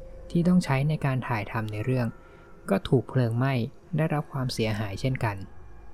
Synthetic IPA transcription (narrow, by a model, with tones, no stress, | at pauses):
t̪ʰiː˥˩t̪ɔ˥˩ŋt͡ɕʰa˦˥jna˧jkaː˧nt̪ʰaː˨˩jt̪ʰa˧mna˧jɾɯ˥˩əŋ | kɔː˥˩t̪ʰuː˨˩k̚pʰlɤː˧ŋma˥˩j | da˥˩jɾa˦˥p̚kʰwaː˧msi˨˩˦ɐɦaː˩˦jt͡ɕʰe˥˩nka˧n